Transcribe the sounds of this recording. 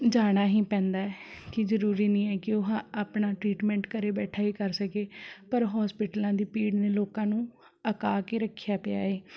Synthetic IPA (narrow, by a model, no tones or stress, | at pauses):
d͡ʒaːɽ̃aːɦĩːpɛ̃ːnd̪aːɛːkɪzəɾuːɾiːnĩːɛːkɪoɦãaːpɳaːʈɾiːʈmɛ̃ːɳʈkəɾeːbɛːʈʰaːiːkəɾsəkeːpəɾɦɔːspɪʈəlãːd̪iːpiːɖneːloːkãːnũː | əkaːkeːɾəkʰːjaːpɪa̰ːeː